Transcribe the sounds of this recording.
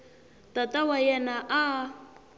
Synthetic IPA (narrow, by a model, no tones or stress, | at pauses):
tatawajɛnaʔa